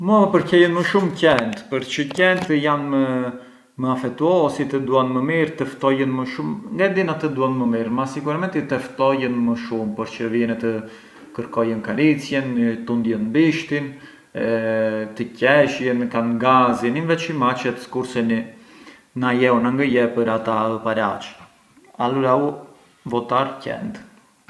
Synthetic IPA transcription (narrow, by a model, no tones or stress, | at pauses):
məpəɾcɛjənməʃumcɛnt̪pəɾt͡ʃəcɛnt̪əjanmə | məafɛt̪uɔsit̪əd̪uanməmiɾt̪əft̪ɔjənməʃumŋɡad̪inat̪əd̪uanməmiɾmasikuɾɛmɛnt̪it̪əft̪ɔjənməʃumpəɾt͡ʃəɾviɛnɛt̪ə | kəɾkɔjənkaɾit͡sjɛnt̪und̪jənbiʃt̪in | ɛt̪əcɛʃjənkanɡazininvɛt͡ʃimat͡ʃɛt̪skuɾsɛni | najɛunaŋɡəjɛpəɾat̪aəpaɾat͡ʃ | aluɾau | vɔt̪aɾcɛ̰nd̪